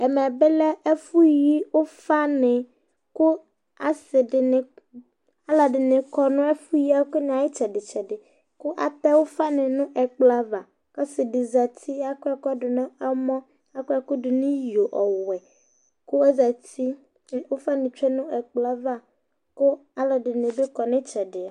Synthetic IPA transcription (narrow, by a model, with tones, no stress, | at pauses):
ɛ˨mɛ̃˨be˦lɛ˦ɛ˦fu˦ji˦wo˦fa˦nɪ̃˨ | kʊ˦ | a˨sɪ˨ɖɪ˨nɪ˨ | a˨la˨ɖɪ˨nɪ̃˨kɔ˨nʊ̃˦ɛ˦fu˦ji˦a˦kʊ˦n˨a˨ji˦t͡ʃɛ˨ɖɪ˨t͡ʃɛ˨ɖɪ˨ | kʊ˦ʔa̰˨t̪a˦wo˦fa˦nɪ̃˨nũ˦ʔɛ˨k͡pla˦va˨ | ka˦sɪ˨dɪ˨za˨t̪ʰi˦a˦kʊ˦a˦kɖʊ˨nã˦a˦mɔ̃˦ | a˦kʊ˦a˨kʊ˦ɖɪ˨nĩ˦jo˨ʔɔ˨wɛ˨ | ko˦ɛ˦za˨t̪i˦˨ | wo˦fa˦nɪ̃˨t͡ʃᶣɛ˦nũ˦ɛ˨k͡pla˦va˦ | kʊ˦a˦la˨ɖɪ˨nɪ̃˨be˦kɔ˨nɪ̃˦t͡ʃɛ˨ɖɪ˨a˨